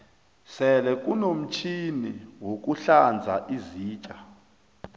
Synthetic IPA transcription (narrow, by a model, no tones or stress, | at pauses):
sɛlɛkʼunom̩t͡ʃʰiniwok̬ʼuɬand͡zʱa̰ʔiziːt͡ʃʼa